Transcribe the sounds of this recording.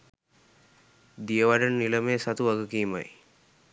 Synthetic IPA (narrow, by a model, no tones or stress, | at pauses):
d̪ijəʋaɖənːiləmeːsat̪uʋaɡəkiːma̰j